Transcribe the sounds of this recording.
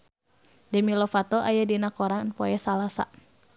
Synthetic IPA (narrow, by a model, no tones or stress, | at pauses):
dɛmilɔfat̪ɔʔajadinakɔɾanpɔjasalasa̰